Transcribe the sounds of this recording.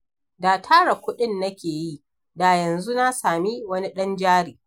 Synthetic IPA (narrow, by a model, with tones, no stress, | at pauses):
daː˨tʰaː˦ɽɐ˨kʷʊ˦ɗɪ˦nːɐ˦kʲeː˨ji˦ | da˨jɐ˨nzu˦na˦saː˨mi˦wɐ˦ni˦ɗɐ˦nd͡ʒaː˦ɽiː˨